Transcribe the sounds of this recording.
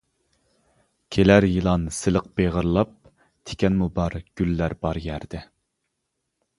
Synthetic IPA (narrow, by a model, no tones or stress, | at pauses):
kʲʰelæɾjɨlˠɑnsɨlˠəq̚b̥eʁəɾlˠɑp̚ | t̪ʰe̥kʲɛnmubɑɾɡ̥ʲylːæɾbɑɾjæɾd̪̥ɪ